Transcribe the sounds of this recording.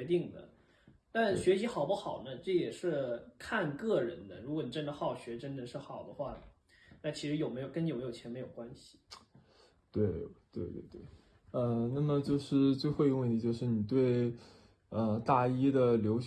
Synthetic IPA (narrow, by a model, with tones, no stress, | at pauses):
t̪i˥˩ŋd̪ə̰˩ | t̪a˥˩nɕɥɛ˧˥ɕi˧˥xɑ˨˩ʊpu˥˩xɑ˨˩ʊnə˦ʈ͡ʂɤ˥˩jɛ˨˩ʂɻ̩˥˧kʰa˥˧nkɤ˥˩ɻə̰˧˥nd̪ə˧ɻu˧˥kwɔ˧˥˦n˨˩ʈ͡ʂə˥nd̪ə˧xɑ˥˩ʊɕɥɛ˧˥ʈ͡ʂə˥nd̪ə˨ʂɻ̩˥˩xɑ˨˩ʊd̪ə˦xwa˥˩ | na˥˩t͡ɕʰi˧˥ʂɻ̩˧˥jo˨˩ʊme˧˥jo˨˩kə˥n˥˧˨me˧˥jo˨˩t͡ɕʰɛ˧˥nme˧˥jo˨˩kwa˥nɕi̥˨˩ | t̪we˥˩ɪt̪we˥˧ɪt̪wḛ˥˧˩ɪt̪we˥˩ | ə˧na˥˩mə˩t͡ɕjo˥˧ʊʂɻ̩˥˧t͡swe˥˧ɪxwɪi˧˥ŋwə˥˩nt̪ʰi˧˥t͡ɕjo˥˧ʊʂɻ̩˥˩ni˨˩t̪we˥˩ɪ | ə˧t̪a˥˩i˥d̪ə˨ljo˧˥ʊ